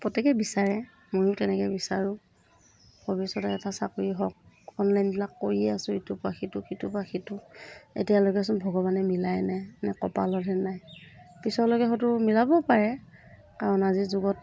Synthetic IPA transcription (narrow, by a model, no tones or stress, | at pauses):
pɹɔtɛkɛbisaɹɛ | mojʊtɛnɛkɛbisaɹʊ̃ | bɔbisɔtɛɛtasa̰koɹiɦɔk̚ | ɔnlajnbilakːoɹiɛasʊ̃itupaxitʊkitupaxitʊḛtijalokɛs̬ɔnbʱɔɡɔbanɛmilajnɛjnɛkɔpa̰lɔdʱɛnajpisɔlɔɡɛxɔtʊmilabɔpaɹɛ | kaɹɔnazizʊɡɔt